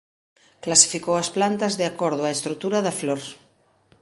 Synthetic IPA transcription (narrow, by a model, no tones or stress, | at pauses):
klasi̥fikowasplant̪azðeakoɾð̞oaest̪ɾut̪uɾaðafloɾ